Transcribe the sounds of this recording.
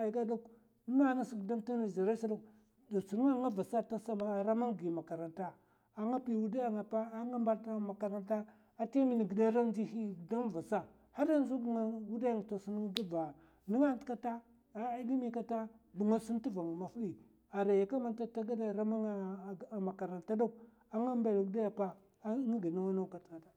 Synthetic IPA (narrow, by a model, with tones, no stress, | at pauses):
a˨ɡa˦do˦k | nu˦na˦na˦si˨ɡda˦mta˦na˨za˨ɾa˦sa˦lu˦k | da˨su˨ɾŋa˦ŋa˦va˨sa˦ta˦sa˦a˦˨ɾa˦ma˦ŋɡi˨ma˨ka˨ɾa˨nta˦ | a˨ŋa˦pi˨wu˦da˦ja˨ŋa˨pa˦a˨˦ŋa˦mba˦tma˨ka˨ɾa˦nta˦ | a˨ti˦mi˨n˨ɡi˨da˦ɾa˦n˦d͡ʒi˦hi˦˨da˦m˦˨va˨sa˦ | ha˦da˦n˦zu˦bŋa˦wu˦da˦ja˦˨ŋ˨to˨si˦n˦ɡi˦va˨ | ni˦ŋa˦tka˦ta˦˨˦ | ɡi˦mi˦ka˦ta˦bu˨ŋa˦su˦n˦tu˦va˨ŋa˨ma˨fu˦ɗi˨ | a˨ɾa˨ja˨ka˦ma˦nta˦ta˦ɡa˦da˦˨ɾa˦ma˦ŋ˦˨a˨ma˨ka˨ɾa˨nta˦do˦k̚ | a˨ŋa˦m˦ba˨lu˦da˦ja˨pa˦ | ŋi˦ɡi˨na˦wa˦na˦ka˨tka˨ta˦